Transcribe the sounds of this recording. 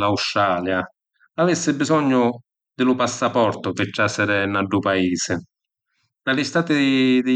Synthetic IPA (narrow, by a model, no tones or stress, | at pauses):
laustːɾaːlja | avɪsːɪbizɔɲːʊ | d̪ɪlʊpasːapɔrt̪ʊpɪt͡ʃːasːɪɾɪnaɖːupaiːsɪ | nalɪst̪aːt̪ɪd̪ɪ